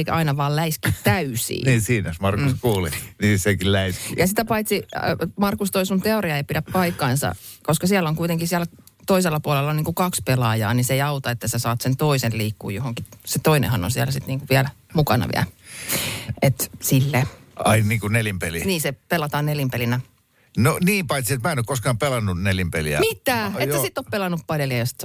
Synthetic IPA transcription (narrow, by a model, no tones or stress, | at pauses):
eikæɑinɑʋɑːllæiskitt̪æysḭːniːsiːnosmɑrkuskuːlḭniːsekillæiskijɑsit̪æpɑit̪simɑrkust̪oisunt̪eoɾiɑeipidæppɑikːɑinsɑ̰ | koskɑsiælːoŋkuit̪eŋkisiæl | t̪oiselːɑpuɑlelːoniːŋkukɑkspelɑjɑ̰ːniseiɑut̪ɑet̪ːæsesɑːt̪sent̪oiselliːkːṵːjohoŋkiset̪oinḛhɑno̰nsiæ̰lsit̪niːŋkuʋiælmukɑ̰nɑ̰ʋḭæ̰l | et̪silːeɑinniːŋkunelimpeliniːsepelːˑɑt̪ɑːnneljimpelinæ | noniːmpɑit̪siet̪mæːenokoskɑːmpelɑnːunelimpeliæ̰mit̪ːæːeːæsit̪ːoppelɑnːuppɑljoliæjost̪